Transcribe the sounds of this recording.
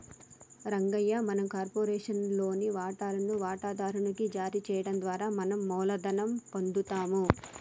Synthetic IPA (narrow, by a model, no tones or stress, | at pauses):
ɾɐŋɡɐjːɐmɐnɐmkaːɾpoːɾɛːʂɐnlo̞ːniʋaːʈaːɾunuʋaːʈaːd̪ʱaːɾuɳɐkid͡ʒaːɾit͡ʃɛːjɐɽɐnd̪ʋaːɾaːmɐnɐmːɔːlɐd̪ɐnɐmpond̪ut̪aːmu